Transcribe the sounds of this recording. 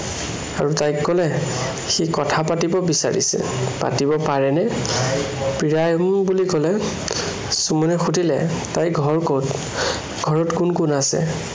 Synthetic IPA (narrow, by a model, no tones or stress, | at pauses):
aɹutajkːɔlɛ | xikɔtʰapatibɔbisa̰ɹḭsɛ̰pa̰tibɔpaɹɛnɛ | pɹiɹajɔmbulikɔlɛ | sumɔnɛxudʱilɛ̰tajɡʱɔɹkowt | ɡʱɔɹɔtkunkunasɛ̰